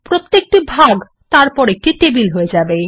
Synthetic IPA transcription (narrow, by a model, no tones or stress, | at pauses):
pɾot̪ːek̚ʈibʱaɡ | t̪aɾpɔɾek̚ʈiʈebilɦoed͡ʑabe